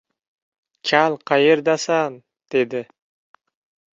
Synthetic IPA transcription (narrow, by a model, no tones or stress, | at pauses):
t͡ʃʰɑlˠqɑjɯɾd̪ɑsɑn | d̪̥ed̪ɪ